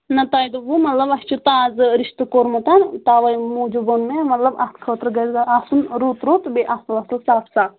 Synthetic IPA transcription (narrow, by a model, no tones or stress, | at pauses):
nɐt̪aːjd̪uʋumɐt̪lɐbɐst͡ʃʰut̪aːzɨɾiʃt̪ɨkoɾmɐt̪ɐnt̪aːʋɐjmuːd͡ʒubonmemɐt̪lɐbɐt̪ʰkʰəːt̪ɾɡɐzɡaasunɾut̪ɾut̪beʔɐtɐlɐsɐlsaːfʰsaː